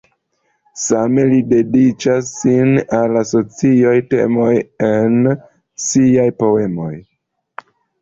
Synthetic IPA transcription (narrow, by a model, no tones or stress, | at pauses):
same̞lide̞dit͡ʃasːinalaso̞t͡siojte̞̰mo̞je̞n | siajpo̞e̞mo̞̰j